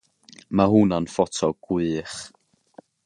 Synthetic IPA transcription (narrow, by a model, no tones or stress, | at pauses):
mahunanfɔtʰɔɡ̥wiːχ